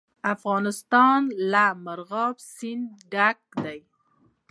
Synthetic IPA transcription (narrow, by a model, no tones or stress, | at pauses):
afɣɑnɪst̪ɑnlamaɾɣɑbsɪnd̪ɖak̚d̪aj